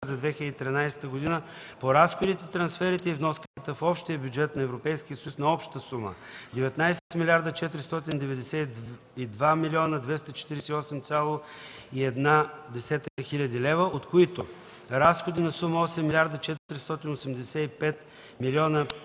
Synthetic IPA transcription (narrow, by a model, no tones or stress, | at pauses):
zɐd̪vɛxilʲəd̪it̪ɾinajsɛ̥t̪əɡod̪inə | poɾasxod̪it̪ɛt̪ɾɐnsfɛɾit̪ɛivnɔskət̪t̪əfɔpʃt̪iəbʲjud͡ʒɛt̪nɐɛvɾopɛjskʲijəsəjusnɐɔpʃt̪əsumə̰d̪ɛvɛt̪najsɛt̪milʲiaɾd̪ət͡ʃɛt̪ɾist̪ɔt̪ind̪ɛvɛd̪ɛsɛ | id̪vamilʲiɔnəd̪vɛst̪ət͡ʃɛ̥t̪iɾɛsɛiɔsɛmt̪sʲalˠo | iɛd̪nad̪ɛsɛt̪xilʲəd̪ilɛvəʔot̪koit̪o | ɾasxod̪inɐsuməɔsɛmːilʲaɾd̪ət͡ʃɛt̪ɾist̪ɔt̪inosɛmd̪ɛsɛipɛt̪ | milʲiɔnə